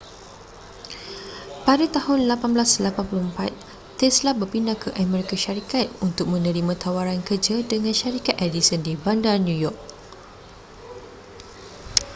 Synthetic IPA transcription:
padat̪ahʊnlapanblaslapanpuluhmpa̰t̪̚ | t̪ɛslabərpindakʰəʔamɛɾikaʃaɾikat̪̚unt̪ʊk̚mə̃nə̃ɾimãt̪ʰawaɾankərd͡ʒadəŋãnʃaɾikat̪̚ʔɛdisɔndibandanjujɔk̚

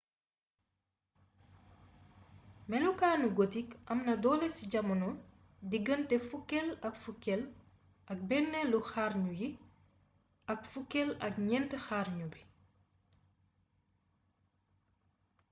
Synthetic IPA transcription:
mɛlukaːnuɡotikɐmnɐdɔːlesiɟɐmɐnɔ | diɡəntɛfukːɛlɐkfukːɛl | ʔɐk̚bɛnːɛluxaːɾɲuji | ɐkfukːɛlɐk̚ɲɛntəxaːɾɲubi

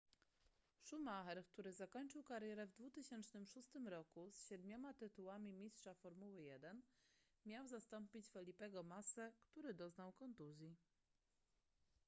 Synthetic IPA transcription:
ʂumaxɛɾkt̪uɾɘzakɔɲt͡ʂɘwkaɾjɛɾɛvd̪vut̪ɘɕɛnt͡ʂnɘmʂust̪ɘmɾɔkusɕɛd̪mʲɔmat̪ɘt̪uwamʲimʲistʂafɔɾmuwɘjɛd̪ɛn | mʲjawzast̪ɔmpʲit͡ɕfɛlʲipɛɡɔmasɛkt̪uɾɘd̪ɔznawkɔnt̪uzʲji

